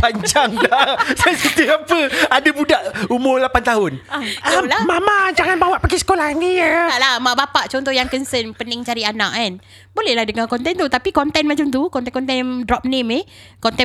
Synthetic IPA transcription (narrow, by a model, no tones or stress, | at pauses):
paɲd͡ʒaŋlasasət̪iapəadabudaʔumʊrlapant̪aɦʊnaalamamad͡ʒaŋanbawaʔpəɡisə̥kolahnialamaʔbapaʔt͡ʃɔnt̪ɔhjaŋkənsənpənəŋt͡ʃaɾiana̰ʔan | bolɛhlahdəŋãkɔnt̪ɛnt̪ut̪apikɔnt̪ɛnmat͡ʃamt̪ukɔnɛnkɔnt̪ɛndɾɔp̚nẽme | kɔnt̪ɛ